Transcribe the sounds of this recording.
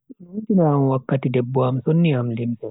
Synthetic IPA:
ntinaːmwakːatidɛbːɔamsonːiamlimpɛ

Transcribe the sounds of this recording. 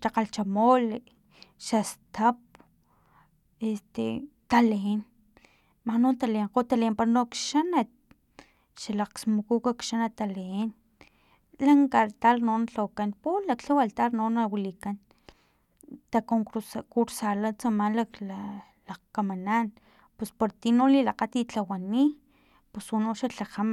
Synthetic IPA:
t̪aqalt͡ʃamoli | ʃast̪ap̚ | est̪ḛt̪aleen | mahnont̪aleɴqot̪alempaɾnokʃanat̪̚ | ʃalaqsmukukakʃanat̪aleen | laŋkat̪alnonat͡ɬakanpulakɬawalt̪aɾnonawilikan | t̪akoŋkuɾsalat͡samanlakla | lakamanan | pespoɾt̪inolilaqat̪it͡ɬawani | puswunoʃaɬaxama

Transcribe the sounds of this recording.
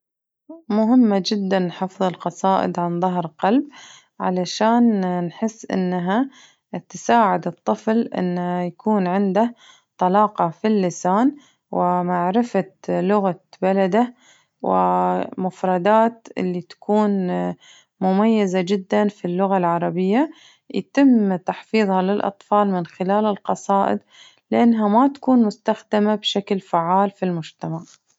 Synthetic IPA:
mʊɦɪmːad͡ʒɪd̪ːanːħɑfðˤɨlqɑsˤɑːʔɪ̰d̪ʕanðˤɑɦɾqɑlb | ʕa̰laʃaːnnħɪsːʔɪ̰nːaɦa | t̪saːʕɪd̪ɨt̪ˤːɨflʔɪ̰nːhajakuːnʕɪnd̪a | t̪ˤɑlɑːqɑfilːɪsaːn | wɪmaʕɾɪfalʊɣabalad̪a | wʔɪ̰mʊfɾˤɑd̪aːt̪ʔɪ̰lːit̪ḁkuːn | mʊmajːazad͡ʒɪd̪ːanfilːʊɣalʕɑɾˤɑbɪjːa | jat̪ɪmt̪aħfiːðˤhɑlɪlʔɑ̰t̪ˤfɑːlmɪnxɪlaːlɪlqɑsˤɑːʔɪ̰d̪ | lɪʔanːɦamat̪ḁkuːnmʊst̪axd̪amabʃaklfaʕːaːlfilmʊd͡ʒt̪amaʕ

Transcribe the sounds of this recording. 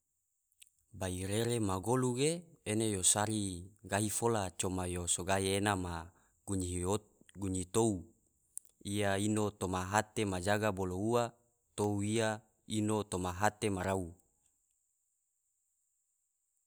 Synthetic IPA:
baiɾeɾemaɡoluɡeenejosaɾiɡaɦifolat͡ʃomajosoɡaeenama | uɲio | ɡuɲit̪ou | ijainot̪omaɦat̪emad͡ʒaɡaboloua | t̪ouia | inot̪omaɦat̪emaɾau

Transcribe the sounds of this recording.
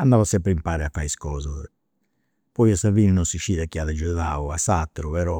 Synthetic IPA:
andaːvasɛmpɾɛimpaːɾɛafːaiskɔːza | pɔjasaviːninɔnsiʃiːðakiaðad͡ʒunaːuasat̪ːɾupɛɾɔ

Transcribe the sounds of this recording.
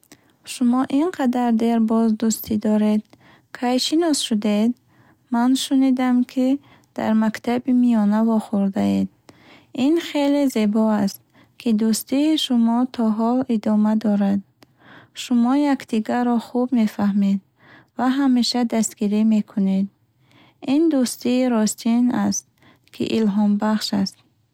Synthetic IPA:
ʃumɔʔinqʰad̪aɾd̪eɾbɔzd̪ust̪ʰid̪ɔɾe̞d̪ | kʰajʃinɔsʃud̪ed̪ | manʃunid̪amkʰi | d̪̥a̰ɾmakt̪ʰabimijɔnavɔχuɾd̪aed̪ | inχeleze̞bɔast̪̚ | kʰid̪ust̪iːʃumɔt̪ʰɔɦɔlid̪ɔmad̪ɔɾad̪̚ | ʃumɔjakd̪̥iɡaɾɔχubme̞fahmed̪ | vaɦameʃad̪ast̪ɡ̥iɾime̞kʰuned̪ | ind̪ust̪iːɾɔst̪ʰinast̪̚ | kʰḭʔilɦɔmbaχʃast̪̚

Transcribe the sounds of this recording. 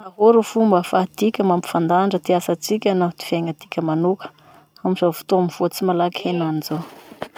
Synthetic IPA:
aɦoɾufumbəfat̪ikʲəmampi̥fand̪aɳɖ͡ʐət̪iasat͡sikʲənat̪i̥veŋət̪ikʲəmanukə̥ | amizavu̥t̪oamiv̥ot͡simalakihenanizo

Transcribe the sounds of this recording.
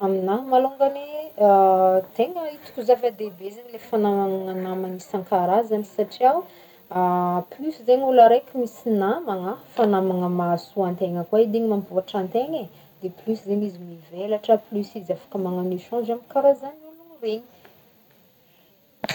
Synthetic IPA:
aminamaluŋɡane | t̪eŋait͡si̥kʲuzafad̪ebezanilefanamamaŋanamanisãŋkaɾazanisaʈ͡ʂiaw | plysizeɲulaɾajkʲumisinamaŋafanamaŋəmasuãnt̪eŋəkwaid̪eɲimampuaʈ͡ʂãnt̪eŋe | d̪̥eplysizeɲizimivelaʈ͡ʂəplysizafḁkəmaŋaniʃɔ̃zamikaɾazanuluŋreɲi̥

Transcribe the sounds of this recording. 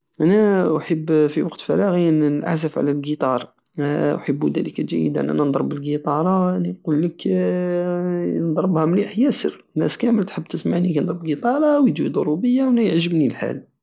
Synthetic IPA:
ʔænæħəbːfiwɑqt̪fæɾˤɑɣiənʔa̰ħzəfʕ̰lælɡit̪ˤɑɾˤ | wħəbːud̪æ̰likææ̰jə̰d̪ʔæ̰nʔæ̰nənd̪ˤɾˤəbːəlɡit̪ˤɑɾˤɑliqulːək | nd̪ˤɾˤəbhæmliħjæsə̰r | næskæməlt̪ħəbːt̪əsmaʕnikænd̪ˤɾəbɡit̪ˤɑɾˤɑwjd̪uid̪ˤoɾubəjːawnæjəʕʒəbnilħa̰l

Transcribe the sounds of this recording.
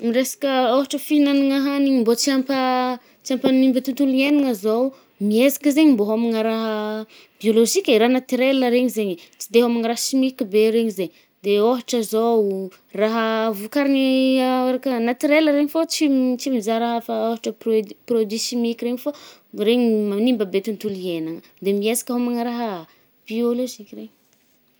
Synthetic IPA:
miɾesḁkʲəoɦaʈ͡ʂəfiinaniŋaɦaniɲmbot͡siampə | t͡siampənimbət̪ut̪ulieniŋəzow | miezḁkəzeɲimboɦamiŋəɾaɦə | bioloʒikʲaɾaɦnat̪iɾeləɾeɲizeɲit͡si̥d̪eɦamiŋɾaɦsimikibeɾeɲizeɲ | d̪eoɦaʈ͡ʂəzow | raɦəvukaɾinieɾakənat̪iɾeləɾeɲifot͡sit͡simizaɾaɦfaoɦaʈ͡ʂəprod̪isimikʲiɾeɲiforeɲimamnimbəbet̪unt̪ulienaŋə | d̪emiezḁkʲaɦamaŋəɾaɦə | b̥ioloʒikʲreɲi̥

